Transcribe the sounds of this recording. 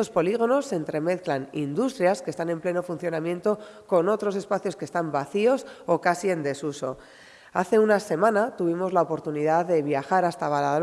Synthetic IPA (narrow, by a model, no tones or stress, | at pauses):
o̞spo̞liɣ̞o̞no̞sːe̞nt̪ɾe̞me̞θklanḭnd̪ust̪ɾjaske̞st̪ane̞mple̞no̞fun̟θjonamjẽ̞nt̪o̞ko̞no̞t̪ɾo̞s̬e̞spaθjo̞ske̞st̪ambaθio̞so̞kasiend̪e̞suso̞̰ | a̰θe̞unase̞mãnat̪uβ̞imo̞zlaopo̞ɾt̪uniðaðe̞βjaxaɾast̪aβala